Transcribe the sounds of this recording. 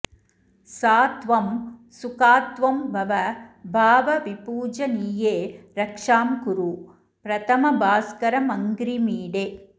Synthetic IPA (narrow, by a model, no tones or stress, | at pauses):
saːt̪ʋɐmsukaːt̪ʋɐmbɐʋɐbʱaːʋɐʋipuːd͡ʒɐniːjeːɾɐkʂaːmkuɾu | pɾɐt̪ɐmɐbaːskɐɾɐmɐŋɡɾimiːɽeː